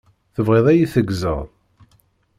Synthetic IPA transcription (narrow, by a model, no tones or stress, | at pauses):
θəvʁeðˤæjiθəɡzə̰ðˤ